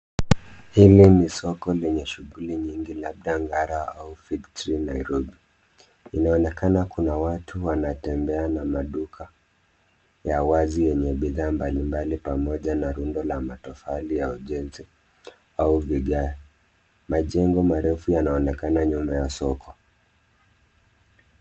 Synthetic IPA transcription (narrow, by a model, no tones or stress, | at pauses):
hilinisɔkɔlɛɲɛʃuɣuliɲiŋɡilaɓɗaŋɡaɾaa̰ufitɾinajɾɔɓi | inaɔnɛkanakunawatuwanatɛmbɛanamaɗukʰa | jawazijɛɲɛɓiðaːmbalimbalipamɔʄanaɾundɔlamatɔfalijauʄɛnzi | auviɠaja | maʄɛŋɡɔmaɾɛfujanaɔnɛkanaɲumajasɔkʰɔ